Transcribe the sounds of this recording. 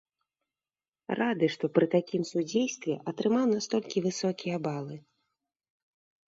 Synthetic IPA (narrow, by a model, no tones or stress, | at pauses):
rʔad̪ɨʂt̪ɔpɾɨt̪akʲimsud͡zʲejst̪vʲɛʔɐt̪ɾɨmawnast̪ɔlʲkʲivɨsɔkʲijɐbalˠɨ